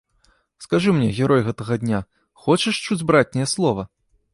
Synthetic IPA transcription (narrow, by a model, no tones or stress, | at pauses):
skaʐɨmnʲɛɣʲɛɾɔjɣɛt̪ɐɣɐd̪ʲnʲa | xɔt͡ʃɛʂt͡ʂud͡zʲbɾat͡sʲnʲɐjɛslˠɔvɐ